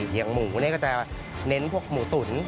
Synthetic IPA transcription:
ja˧ŋmuː˩˦na˦˥˩kɔː˥˩t͡ɕa˨˩ | ne˦˥npʰu˥˩ək̚muː˨˩˦su˨˩˦n

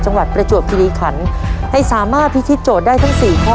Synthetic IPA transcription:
t͡ɕa˧ŋwa˨˩t̪̚pɾa˧t͡ɕu˨˩əp̚kʰi˧liː˧kʰa˩˦nha˥˩jsaː˩˦maː˥˩t̪̚ʰːi˦˥t̪ʰi˦˥t̪̚t͡ɕoː˨˩t̪̚daː˥˩jt̪ʰa˦˥ŋsiː˨˩kʰa˧

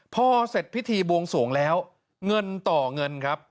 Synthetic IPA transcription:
pʰɔː˥˩se˨˩t̪̚pʰi˦˥t̪ʰiː˧bu˧əŋsu˩˦ŋlɛː˦˥w | ŋɤ˧nt̪ɔː˨˩ŋɤ˧nkʰɾa˦˥p̚

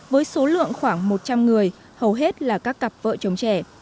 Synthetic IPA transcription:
vəː˨˦jso˨˦lɨ̰˧˨əŋxwaː˧˩ŋmo˨˩t̚t͡ɕa˧mŋɨ˨˩əj | hə˨˩wɦe˦˥t̚laː˨˩kaː˦˥kːa˨˩p̚və̰ː˧˨t͡ɕə˨˦wŋ͡mt͡ɕɛ˧˩

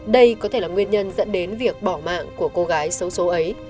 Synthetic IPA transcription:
ɗə˧jkɔ˨˦t̪ʰe˧˩laː˨˩ŋwi˧ənɲə˧nzə̰˧˥nɗe˨˦nvi˨˩ək̚ɓɔ˧˩ma̰ː˧˨ŋku˧˩əko˧ɣaː˨˦jsə˨˦wso˨˦ʔə˨˦j

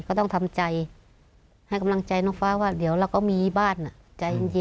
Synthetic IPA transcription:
kɔː˥˩t̪ɔ˥˩ŋt̪ʰa˧mt͡ɕa˧j | ha˥˩jka˧mla˧ŋt͡ɕa˧jnɔː˧˩ŋfaː˧˥waː˥˩di˨˩˦əwɾa˧˩wkɔː˥˩miː˧baː˥˩nːa˨˩t͡ɕa˧jʔŋji˧

